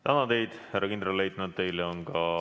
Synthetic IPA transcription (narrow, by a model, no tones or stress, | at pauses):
t̪ænɑt̪e̞jd̪̥hærːɑkind̪ɾɑllejt̪ˑnɑt̪̚t̪e̞jleonkɑ